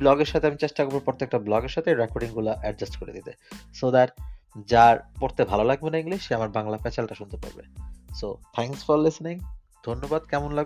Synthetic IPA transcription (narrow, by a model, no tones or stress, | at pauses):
blɔɡeɾʃat̪ʰeamit͡ɕeʃʈakoɾboɾpɾoɾt̪ːek̚ʈablɔɡeɾʃat̪ʰeɾekoɾɖiŋɡulaʔɛʈ̚d͡ʑasʈkoɾḛd̪it̪esod̪aɾd͡ʑaɾpoɾt̪ebʱalolaɡ̚benaiŋliʃʃeamaɾbaŋlafɛt͡ɕalʈaʃunt̪epa̰ɾbḛsot̪ʰɛŋksfɔɾlisniŋ | d̪ʱonːobad̪̚kɛmonlaɡ